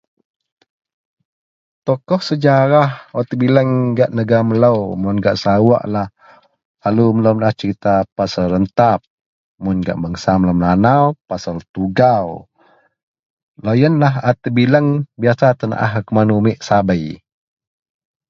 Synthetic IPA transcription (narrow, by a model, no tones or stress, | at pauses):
t̪ɔkɔhsəd͡ʒaɾahɔt̪əbiləŋɡaʔnəɡamələwmʊnɡaʔsawa̰ʔlah | alumələwmlaht͡ʃəɾit̪apasəlɾənt̪ap̚ | mʊnɡa̰ʔməŋsamləmnanawpasalt̪uɡaw | lojənlaɦat̪əbiləŋbiasat̪əna̰ʔa̰ɦkəmanumɪʔsabəj